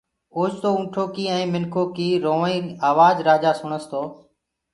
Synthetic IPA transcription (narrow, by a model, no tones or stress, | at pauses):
oːd͡ʒt̪oːʊ̃ːʈʰoːkiːɛ̃ːmɪnkʰoːkiːɾoːĩːaːʋaːzɾaːd͡ʒaːsʊɳəst̪ʰoː